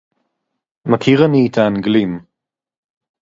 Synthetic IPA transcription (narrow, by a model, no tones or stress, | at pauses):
makʰiʁaniːt̪ʰaːnɡlim